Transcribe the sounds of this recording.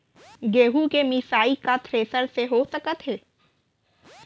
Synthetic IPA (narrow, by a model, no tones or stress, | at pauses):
ɡeːɦukemisaːikat̪ʰɾeːsəɾseɦoːsəkət̪ɦeː